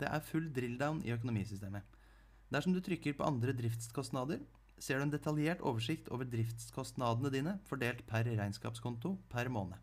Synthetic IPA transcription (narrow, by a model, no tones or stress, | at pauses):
d̪̥ɛ̰ʔæɾfʉlːd̪ɾɪld̪aʊnɪ̰œk̬ʊnʊmiːsʏst̪eːmə | d̪æʂɔmd̪ʉt̪ʰɾʏkːəɾpʰɔ̰ʔɑ̰nd̪ɾəd̪ɾɪft̪skʰɔst̪nɑːd̪əɾ | seːɖʉːɛnd̪ɛt̪ʰɑljeːʈo̰ːʋəʂɪkt̪ʰo̰ːʋəɖ̪ɾɪft̪skʰɔst̪nɑːd̪ənəd̪iːnəfɔɖeːlt̪pʰæɾɾæɪnskɑ̰ːpskʰɔnt̪ʊpʰæɾmoːnə